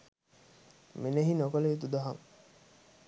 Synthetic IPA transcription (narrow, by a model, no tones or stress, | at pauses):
meneɦinokoleet̪ud̪aɦaŋ